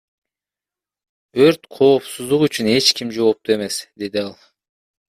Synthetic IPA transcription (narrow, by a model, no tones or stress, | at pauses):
øɾt̪qʰo̞ːpsuzd̪uqyt͡ʃyne̞t͡ʃkimd͡ʒo̞ːp̚t̪ue̞me̞sd̪e̞d̪iɑlˠ